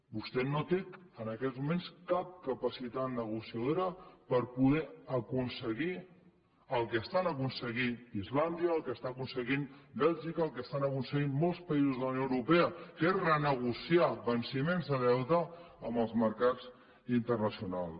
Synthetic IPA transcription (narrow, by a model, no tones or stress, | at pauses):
bust̪ɛnot̪eənəkɛzmumenskap̚kəpəsit̪at̪̚nəɣ̞usiəðoɾəpəɾpuðɛəkunsəɣi | əlˠkəst̪anəkunsəɣiizland̪iəːlˠkəst̪aəkunsəɣinbɛlˠʒikəːlˠkəst̪anəkunsəɣimmolˠspəizuzðələwnjoəwɾupɛəkerənəɣusiaβənsimenzðəðɛwt̪ə | əməlˠzməɾkaz | int̪ərnəsiunalˠ